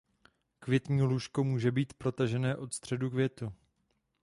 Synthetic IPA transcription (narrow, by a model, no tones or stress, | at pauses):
kvjɛt̪ɲiːluːʃko̞muːʒɛbiːt̪pɾo̞t̪aʒɛnɛːʔo̞t̪st̪r̝̥ɛdukvjɛt̪u